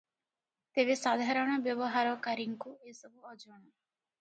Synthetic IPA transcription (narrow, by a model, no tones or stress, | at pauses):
t̪ebesad̪ʱaɾɔɽ̃ɔbjɔbɔɦaɾɔkaɾiŋkuesɔbʱuɔd͡ʒɔɽ̃ɔ